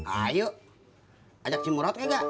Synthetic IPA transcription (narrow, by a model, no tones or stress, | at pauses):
a̰joʔ | ad͡ʒak̚simuɾɔt̪̚kaɡa